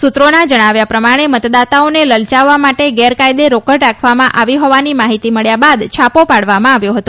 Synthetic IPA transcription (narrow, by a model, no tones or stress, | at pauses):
sut̪ɾonad͡ʒəɽ̃aʋjapɾəmaɽ̃emət̪d̪at̪aoneləlt͡ʃaʋːamaʈeɡɛɾkajd̪eɾokəɽɾakʰʋamãʔaʋiɦɔʋanimaɦit̪iməɭjabad̪t͡ʃʰapopaɽʋamãaʋjoɦət̪o